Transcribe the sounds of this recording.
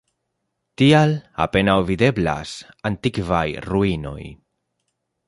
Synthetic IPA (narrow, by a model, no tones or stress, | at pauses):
t̪iala̰penawβiðebla̰s | ant̪ikβajruino̰j